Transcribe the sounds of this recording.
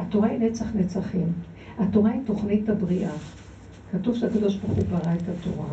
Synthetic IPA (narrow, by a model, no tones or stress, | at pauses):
ato̞ʁainet͡saχnet͡saχim | ato̞ʁaito̞χnitabʁiʔa | katuvʃeakad̪o̞ʃbalχubaʁaetato̰ʁa̰